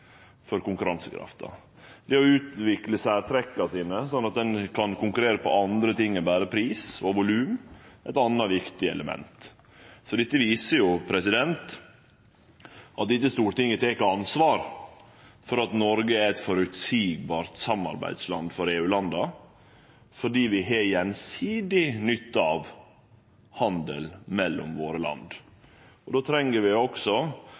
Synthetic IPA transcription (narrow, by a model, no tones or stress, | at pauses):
fɔɾkʊŋkʉɾɑnsəkʰɾɑ̰ft̪ɑ̰ | d̪ɛɔʉːt̪ʋɪkləsæːɾt̪ʰɾɛkːɑsiːnəsɔnːɑt̪̚d̪ɛnkʰɑnkʊŋkʉɾeːɾəpʰɔ̰ɑnd̪ɾət̪ɪŋːəbæːɾəpʰɾiːsɔʋʊlʉːmɛɪt̪ɑnːɑʋɪkt̪ɪəɛ̰ləmɛ̰nt̪ | sɔd̪ɪt̪ːəʋiːsəjʊpʰɾɛsɪd̪ɛnt̪ | ʔɑt̪̚d̪ɪt̪ːəst̪uːɾəʈ̪ɪŋːət̪ʰeːkəɑnsʋɑːɾ | fɔɾɑt̪nɔɾɡəæɛt̪fɔɾʉt̪siːɡ̚bɑːɾt̪sɑmːɑ̰ɾbæ̰ɪd̪slɑnd̪fɔɾeːʉːlɑnd̪ɑ | fɔɖiːʋɪɦeːjɛnsiːd̪ɪnʏt̪ːəɑʋ | hɑnd̪ə̰lmɛlːɔ̰mʋoːɾəlɑ̰nd̪ | ɔd̪oːt̪ʰɾɛŋːəɾʋɪɔksɔ